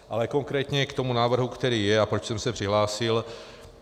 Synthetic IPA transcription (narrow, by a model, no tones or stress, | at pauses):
ʔalɛko̞ŋkɾɛːt̪ɲɛkt̪o̞munaːvr̩ɦukt̪ɛɾiːjɛapɾocsɛmsɛpr̥ɪɦlaːsɪl